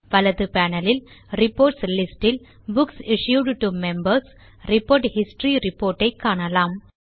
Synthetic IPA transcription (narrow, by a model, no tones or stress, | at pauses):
ʋɐlɐðɯpæːnɐlɪl | ɾɪpːoːɾʈslɪsʈɪl | bʊksɪʃjuːɖʈumɛmbɐɾs | ɾɪpoːɾʈhɪsʈɾiɾɪpoːɾʈːɐɪkːaːɳɐlaːm